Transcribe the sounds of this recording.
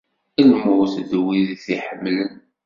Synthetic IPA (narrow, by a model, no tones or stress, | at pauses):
ilmʊθðwiðθiħəmːlən